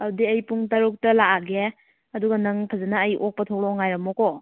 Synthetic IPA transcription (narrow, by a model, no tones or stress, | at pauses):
ɐwdiɐjpuŋtɐɾuk̚tɐlaaɡe | ɐduɡɐnɐŋpʰɐzanaːjʔok̚pɐtʰowlɔŋajɾɐmɔkɔ